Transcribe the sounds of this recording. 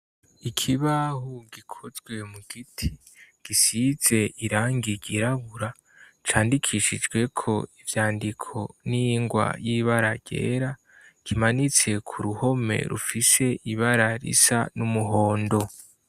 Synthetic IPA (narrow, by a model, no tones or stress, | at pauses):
ikʰiβahuɡikʰozɡwe̞muɡitʰi | ɡ̥isiz̥e̞ʔiɾaːŋɡiɡiɾaβuɾa | t͡ʃaːndikʰiʃid͡ʒɡwe̞kʰo̞̰ivjaːndikʰo̞niŋɡwa̰jiβaɾaɟḛːɾa | kimanit͡se̞kʰuɾuho̞me̞̰ɾṵfise̞ʔiβaɾaɾḭsa̰numuɦo̞ːndo̞